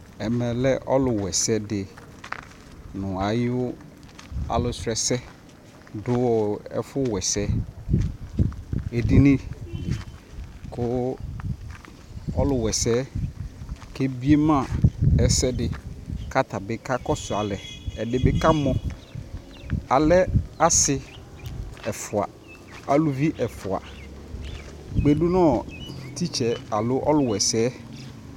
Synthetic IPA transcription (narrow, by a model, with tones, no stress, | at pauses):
ɛ˨mɛ̃˨lɛ˦ʔɔ˦lʊ˨wɛ˨sɛ˦dɪ˨ | nʊ̃˨a˨jɪ˦ʊ˦ | a̰˨lʊ˨sɛ˨sɛ˦ | dʊ˦wɔ˨ɛ̰˦fʊ˦wɛ˨sɛ˦ | e˨di˦nĩ˦˨ | kʰʊ˦ | ɔ˦lʊ˨wɛ˨sɛ˦ | kɛ˦bi˦e˦mã˦˨ɛ˨sɛ˦dɪ˨ka˦ta˨bɪ˨ka˦kɔ˦sʊ˨a˨lɛ˨ɛ˨dɪ˨bɪ˨ka˦mɔ̃˨ | a˨lɛ˦a˦sɪ˦ | ɛ˨fʊ˨a̰˨ | a˨lʊ˨vi˦ʔɛ˨fʊ˨a̰˨ | ɡ͡be˨du˦nɔ̃˦˨tʰi˦t͡ʃɛ˨a˨lʊ˦ʔɔ̰˦lʊ˨wɛ˨sɛː˦